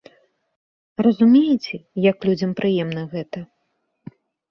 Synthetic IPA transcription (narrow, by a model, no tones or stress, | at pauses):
rɐzumʲejit͡sʲɛjɐklʲud͡zʲɐmpɾʔɨjɛmnɐɣɛt̪ɐ